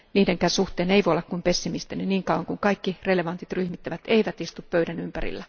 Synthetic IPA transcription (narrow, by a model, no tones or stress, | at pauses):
niːdeŋkæsuht̪ˑeːneiʋoolːɑkkumpesːimist̪enyniːŋkɑˑwɑŋkuŋkɑikːireleʋɑnt̪it̪ryhmit̪ːæʋæt̪eiʋæt̪ist̪uppøydænympæ̰rḭlːæ